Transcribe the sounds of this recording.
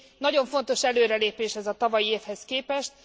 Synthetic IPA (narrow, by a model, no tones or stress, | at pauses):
nɒɟo̞ɱfo̞n̪t̪o̞ʃɛløːɾɛleːpeːʃɛzɒt̪ɒvɒjieːfhɛskeːpɛʃt̪̚